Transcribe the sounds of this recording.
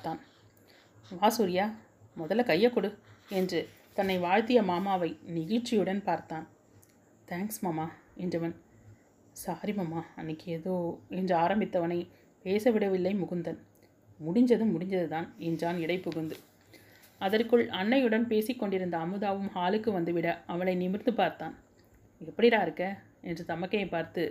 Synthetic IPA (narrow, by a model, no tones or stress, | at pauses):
pːt̪aːn | ʋaːsuːɾɪjaː | mɔðɐlɐkɐjːɐkːɔɽɯɛndrɯ | t̪ɐnːɐɪʋaːɻt̪ɪjɐmaːmaːʋɐɪnɪɣɪʈt͡ʃːɪjɯɽɐnpaːɾt̪aːn | t̪ʰaːŋksmaːmaːɛndrɯʋɐn | saːɾimɐmːaːɐnːɪkːɛðoːɛndrɯaːɾɐmbɪt̪ːɐʋɐnɐɪ | peːsɐʋɪɽɐʋɪlːɐɪmʊɣɯnd̪ɐn | mʊɽɪɲd͡ʒɐðɯmːʊɽɪɲd͡ʒɐðɯt̪aːnɛndraːnɪɽɐɪpːʊɣɐnd̪ɯ | ɐðɐrkɯɭɐnːɐjɯɽɐnpeːsɪkːɔɳɖɪɾɯnd̪ɐːmɯðaːʋɯmhaːlɯkːɯʋɐnd̪ɯʋɪɽɐɐʋɐnɐɪnɪmɪɾnd̪ɯpaːɾt̪aːn | ɛpːɐɽɪɾaːɪɾɯkːɐ | ɛndrɯt̪ɐmɐkːɐjɐɪpːaːɾt̪ɯ